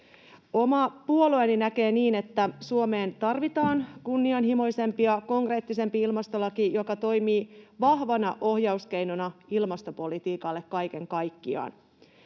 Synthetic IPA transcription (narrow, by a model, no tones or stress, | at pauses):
o̞mɑpuo̞loeninæke̞ːniːne̞t̪ːæsuo̞me̞ːnt̪ɑrʋit̪ɑːnkunːiɑnɦimo̞jse̞mpiɑko̞ŋkre̞ːt̪ːise̞mpiilmɑst̪o̞lɑkijo̞kɑt̪o̞jmiːʋɑhʋɑnɑʔohjɑuske̞jnonɑilmɑst̪o̞po̞lit̪iːkɑlːe̞kkɑjke̞ŋkɑjkːiɑ̰ːn